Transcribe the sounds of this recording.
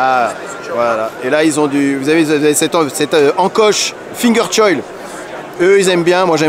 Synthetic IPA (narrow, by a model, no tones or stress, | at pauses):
a | vwalaelailzɔ̃d̪yvuzavevzavesɛt̪sɛt̪øɑ̃kɔʃ | fĩŋɡʲœʁt͡ʃɔjl | øilzɛmbjɛ̃mwaʒɛ